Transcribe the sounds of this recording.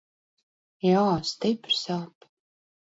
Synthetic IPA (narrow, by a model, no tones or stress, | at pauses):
jaːst̪ɪpɾsaːp